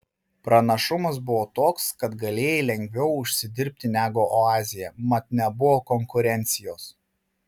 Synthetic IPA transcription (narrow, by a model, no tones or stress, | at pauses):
pɾɐnɐʃʊmɐsbʊʋoːt̪oːkskɐt̪ɡɐlʲeːjɛlʲɛŋʲɡʲʋʲɛʊʊʃʲsʲɪd̪ʲɪɾʲp̚ʲt̪ʲɪnʲæːɡoːʔɔɑːzʲɪjɛmɐt̪nʲɛbʊʋoːkɔŋkʊɾʲɛnʲt̪sʲɪjoːs